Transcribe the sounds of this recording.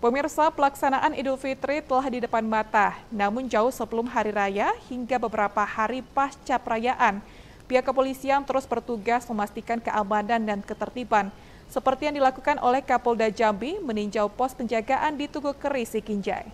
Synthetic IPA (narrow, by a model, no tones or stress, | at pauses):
pəmirsapəlaksanaʔanidufit̪ɾit̪əlahdidəpanmat̪anamʊnd͡ʒaʊhsəbəlʊmɦaɾiɾajahiŋɡabəbəɾapahaɾipast͡ʃapəɾajaʔan | piakəpolisiant̪əɾʊsbərt̪uɡasməmast̪ikankəʔamanandankət̪ərt̪ipan | səpərt̪ijaŋdilakukanʔo̰lɛhkapɔldad͡ʒambiməniɲd͡ʒalpɔs̚pəɲd͡ʒaɡaʔandit̪uɡukəɾisikiɲd͡ʒa̰j